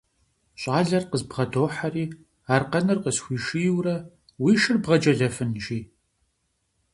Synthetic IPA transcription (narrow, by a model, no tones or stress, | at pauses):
ɕʼaːɮɐrqəzbʁɐdoːħariː | aːrqɐnɨrqəsxʷiːʃijwrɐ | wiːʃɨrbʁɐd͡ʒɐɮɐfɨnʒiː